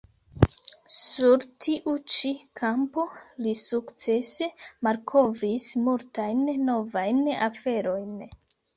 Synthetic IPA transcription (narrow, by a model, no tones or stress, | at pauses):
suɾtʰiʔut͡ʃikʰampo̞lisukt͡se̞se̞maɾkʰo̞vismultajnːo̞vajnafe̞ɾo̞jn